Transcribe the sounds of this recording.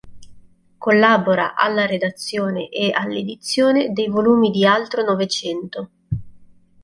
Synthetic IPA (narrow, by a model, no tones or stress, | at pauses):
kolːaːboɾa̰ʔalːaɾed̪at̪sːjoːneʔealːed̪it̪sːjoːned̪ejvoluːmid̪ialt̪ɾonɔvet͡ʃɛnt̪o